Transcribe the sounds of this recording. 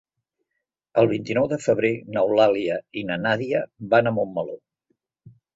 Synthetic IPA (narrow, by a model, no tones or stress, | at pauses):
əlˠβ̞int̪inɔwðəfəβɾenəwlaliəinənaðiəβanəmomːəlo